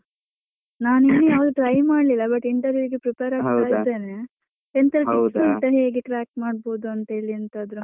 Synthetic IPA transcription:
naːninːujaːʋɐd̪uʈɾɐjmaːɽlilːɐbɐʈiɳʈɐɾʋiuɾiɡepɾipeɾaːɡaːɡid̪ːeːne | ent̪ɐɾɐʈiːsuiɳʈɐɾueːɡeʈɾaːk̚ʈmaːɽbo̞ːd̪uɐnt̪ɐeːɭiɐnt̪ɐːd̪ɾu

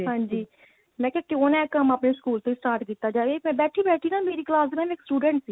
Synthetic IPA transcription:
ɦãːɲd͡ʒiː | mɛ̃ːkãːkɪoːnɛ̃ːkəmaːpneːskuːlt̪õːisʈaːɾʈkiːt̪aːd͡ʒaːʋeːmɛ̃ːbɛːʈʰiːbɛːʈʰiːnaːmeːɾiːklaːsmɛ̃ːmɪksʈuːɖɛ̃ːɳʈsiː

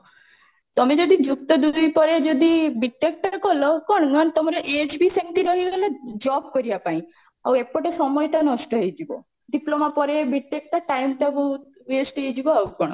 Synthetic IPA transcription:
t̪ɔmed͡ʒɔd̪id͡ʒukt̪ɔd̪ujpɔɾed͡ʒɔd̪ibiʈːek̚ʈakɔlɔkɔɽ̃ɔnɔnt̪ɔmaɾɔʔed͡ʒbiseŋʈ̪iɾɔɦiɡelad͡ʒɔb̚kɔɾiapaĩ | a̰wepɔʈesɔmɔjʈanɔsʈɔɦejd͡ʒibɔ̰ | ɖiplomapɔɾebiʈːek̚ʈaʈajmt̪abu | ʋesʈɦejd͡ʒibɔawkɔɽ̃

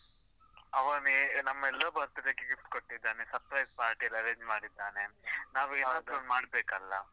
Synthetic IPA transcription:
ɐʋɐninɐmːɐɛlːɐbɐɾt̪ɐd̪ɐkːeɡift̪koʈːid̪ːaːnesɐpɾɐjspaːɾʈijɐlɐɾeːɲd͡ʒmaːɽid̪ːaːnenaːʋiaːt̪ɐnmaːɽbeːkɐlːɐ̰

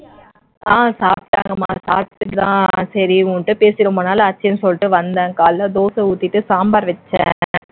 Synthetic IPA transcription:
aːsaːpʈːa̰ːŋɡɐma̰ːsaːpʈ̪ːɯʈːɯt̪ã̰ːsɐɾiuːɳʈːɯpeːsɪɾɐmɐnaːlɐːt͡ʃːɐjnɯsɔlːʈːɯʋɐnd̪ɐ̃ːkaːllɐd̪oːsɐ̃uːt̪ːiʈːɯsaːmbaːɾʋɛt͡ʃːɛ̰̃ː

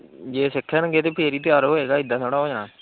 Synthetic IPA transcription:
d͡ʒeːsɪkʰːɛːnə̃ɡeːt̪eːpʰeːɾiːt̪ɪjaːɾoːɦeːɡaːɪd̪ːãːt̪ʰoːɽaːoːd͡ʒãː

